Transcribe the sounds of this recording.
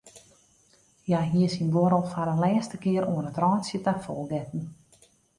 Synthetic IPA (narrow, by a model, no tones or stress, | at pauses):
jaɦiəsinboɾəlˠfaɾənlɛːstəkɪəɾuənətrɔːnsjətafɔlˠɡɛtn̩